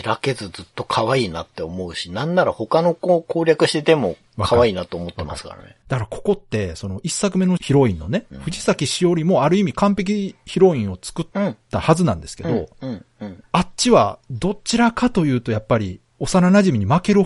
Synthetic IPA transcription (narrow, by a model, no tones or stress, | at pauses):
iɾake̞zɨd͡zɨt̪ːo̞kʰaβaiːna̰t̪ːe̞omo̞ɯ̟ɕinãnːaɾaho̞kano̞koːkʰoːɾʲjakɯ̟ɕi̥t̪e̞t̪e̞mo̞ | βakʰaβaiːnat̪o̞ːmo̞t̪ːema̰sɨ̥ka̰ɾa̰nḛd̪̥akaɾako̞ko̞t̪ːe̞so̞no̞ʔisːakɯ̟me̞no̞çiɾo̞ĩnːo̞ne̞ɸɯ̟ʑisakʲiɕio̞ɾʲimo̞aɾɯ̟imʲikãmpe̞k̬ʲiçiɾo̞ĩɰ̃o̞t͡sɨ̥kɯ̟t̪ːahazɨnã̰nd̪e̞sɨ̥ke̞d̪õ̞ | att͡ɕiβad̪o̞t͡ɕiɾakat̪o̞jɯ̟ːt̪o̞japːaɾʲḭ | o̞saɾanaʑimʲiɲ̟imake̞ɾɯ̟